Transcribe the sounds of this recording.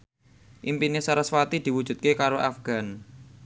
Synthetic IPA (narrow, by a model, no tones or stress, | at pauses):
ʔimpinesaɾaswat̪id̪̥i̤wu̥ʒ̥ṳt̪̚kekaɾoʔafɡ̥a̤n